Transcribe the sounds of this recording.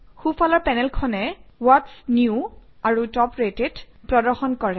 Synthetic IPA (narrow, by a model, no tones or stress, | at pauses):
xufalɔɹpɛnɛlkʰɔnɛwɔtsnjuaɹutɔpɹetedpɹɔdɔɹxɔnkɔɹɛ